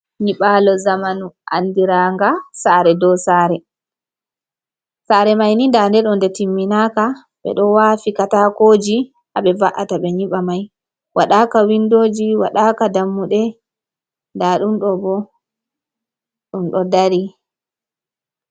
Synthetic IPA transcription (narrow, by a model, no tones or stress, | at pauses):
ɲiɓalɔzamanuʔa̰ndiɾaŋɡasaɾɛdɔsaːɾɛ | saːɾɛmajnindandɛɗɔndɛtimːinaːka | ɓɛ̰ɗɔwaːfikatakoːd͡ʒi | ʔaɓɛvaʔataɓɛɲiɓamaj | waɗaːkawindoːd͡ʒiwa̰ɗakadamːuɗɛ | ndaɗumɗɔbɔ | ɗumɗɔdaɾi